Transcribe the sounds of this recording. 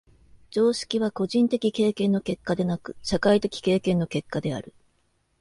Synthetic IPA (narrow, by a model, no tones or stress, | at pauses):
d͡ʑo̞ːɕi̥kʲiβ̞ako̞ʑĩnt̪e̞kʲike̞ːkẽ̞nːo̞ke̞kːad̪e̞nakɯ̟̥ɕakait̪e̞kʲi̥ke̞ːkẽ̞nːo̞ke̞kːad̪e̞a̰ɾɯ̟